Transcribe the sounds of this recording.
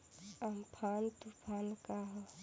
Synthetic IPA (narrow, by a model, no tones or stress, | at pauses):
am̩pʰantupʰankaɦɔ